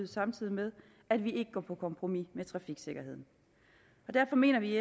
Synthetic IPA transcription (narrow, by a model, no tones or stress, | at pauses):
ð̩ˠsɑ̈mt͡sʰið̰ˠimeð̞ˠ | æd̥ʋie̝ɡ̥əɡ̥ɒ̰ːpʰɒ̽ːkʰɒ̽mpʰʁo̝mimet͡sʰʁɑ̈fiɡ̥se̝ɡ̥ɐɦe̝ð̰ˠn̩ | ɒ̽d̥æɐfɒ̽me̝̰ːnɐʋie